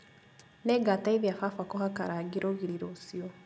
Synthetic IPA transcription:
nɛɡataiβjafafakohakaɾaɡiɾoɣiɾiɾosio

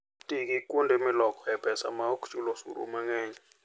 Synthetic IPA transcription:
tʼik̬ʼikʼundʱemilɔkʼɔjɛb̥ʱɛsa̰maokʰt͡ʃʼulɔsṵɾṵmaŋɛːɲɛ

